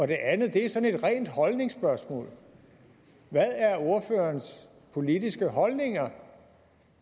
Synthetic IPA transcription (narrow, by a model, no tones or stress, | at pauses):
ɒ̽d̥e̝ʔænð̩ˠd̥e̝æɐsɒ̽ne̝d̥ʁɛ̰ːnd̥hɒ̽lne̝ŋsb̥ɶɐsmɔ̰̽ːl | ʋæðˠæɐo̝ɐfø̰ːɐns | pʰo̝lidisɡ̥əɦɒ̽lne̝ŋɐ